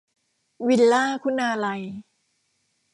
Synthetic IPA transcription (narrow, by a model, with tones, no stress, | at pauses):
wi˧llaː˥˩kʰu˥˩naː˧la˧j